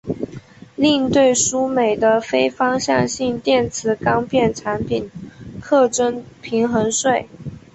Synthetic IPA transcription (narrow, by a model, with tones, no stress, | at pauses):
li˥˧ŋt̪we˥˩ɪʂu˥me˨˩ɪd̪ə˦fe˥ɪfɑ˥ŋɕjɑ˥˧ŋɕi˥˧ŋt̪jɛ˥˩nt͡sʰɹ̩˧˥kɑ˥ŋpʰjɛ˥˩nʈ͡ʂʰa˧˥npʰi˨˩nkʰɤ˥˩ʈ͡ʂə˥npʰi˧˥ŋxɤ˧˥ŋʂwe˥˩ɪ